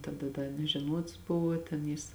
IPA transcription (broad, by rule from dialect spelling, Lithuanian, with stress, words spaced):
tɐˈdɐ ˈdɐ nʲɛʒʲɛˈnuɔts ˈbʊʋoː tʲɛn ˈjɪs